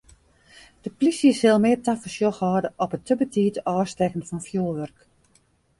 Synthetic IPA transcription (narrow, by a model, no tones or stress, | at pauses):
d̥əplisjəsɪlˠmɪərtafəsjoxhɔːdəʔɔpətʰəbətʰiːtɔːstɛkənfɔnfjoːlˠʋørk